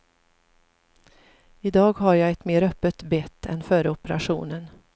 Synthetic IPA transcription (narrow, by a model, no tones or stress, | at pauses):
ɪd̪ɑːɡɦaɾjaːɛt̪meːɾœpːət̪bɛt̪ʰːɛ̰nfœːɾəɔpəɾa̰ɧṵːnən